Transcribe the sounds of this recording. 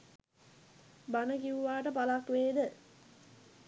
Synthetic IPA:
banəkiuʋaːʈəpalakʋeːd̪ə

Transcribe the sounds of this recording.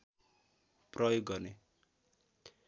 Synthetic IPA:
prʌjoɡːʌrne

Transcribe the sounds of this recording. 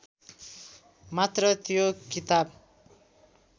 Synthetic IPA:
mat̪rʌt̪jokit̪ab̚

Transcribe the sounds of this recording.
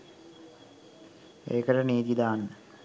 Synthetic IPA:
ḛːkəʈəniːt̪id̪aːnːə

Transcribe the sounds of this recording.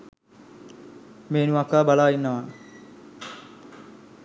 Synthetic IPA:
meːnuɐkːaːbalaːjinːɐʋa

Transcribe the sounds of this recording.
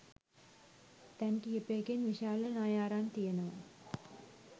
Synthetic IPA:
t̪ɛŋkiepeːɡenʋiʃaːlɐnaːjaːɾaːnt̪ijenəʋa̰

